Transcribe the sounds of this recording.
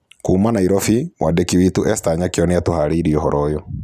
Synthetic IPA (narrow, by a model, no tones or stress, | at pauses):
kumanaiɾɔfiwʔadɛkiwituʔɛstaɲakjɔnɛatuhaɾiːɾiɔɦɔɾʔɔjɔ